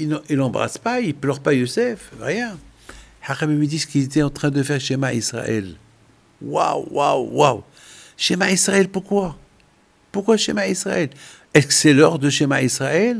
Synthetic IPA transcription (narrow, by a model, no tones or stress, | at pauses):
ililɑ̃bʁa̰spailplœʁpajosɛfʁjɛ̃ħaʁamilɥid̪isə̥kizet̪ɛɑ̃t̪χɛ̃d̪əfɛʁʃemaisʁa̰ʔɛ̰l | wa̰wwa̰wːaw | ʃemaisʁaɛlpuʁkwa | puʁkwaʃemaisʁa̰ʔɛl | ɛskə̥sɛlɔʁd̪əʃemaisʁaɛl